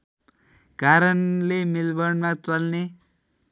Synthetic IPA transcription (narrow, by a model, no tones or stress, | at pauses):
kaɾʌnlemilbʌɳmat͡sʌlne